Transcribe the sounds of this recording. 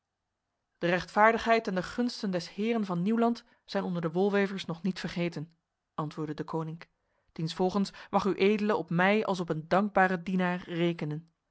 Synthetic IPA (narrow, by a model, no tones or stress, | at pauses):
d̥ərɛχtfaːɹdəχɦɛjtɛndəχɵnstəndɛshɪːrənvɑnːiwlɑnt | sɛjnɔndəɹdəʋɔlˠʋejvəɹsnɔχnitfəɹχejtən | ʔɑntʋʊːɹdədəkownɪŋk | d̥insfɔlˠχənsmɑχyʔejdələɔpmɛjɑlˠs̬ɔpəndɑŋɡ̚baːrədinaːɹːejkənən